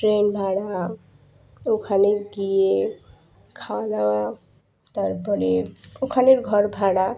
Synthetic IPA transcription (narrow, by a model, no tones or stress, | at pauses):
ʈɾenbʱaɽa | okʰaneɡije | kʰalawa | t̪ʌɾbʌɾeokʰaneɾɡʱʌɾbʱaɽa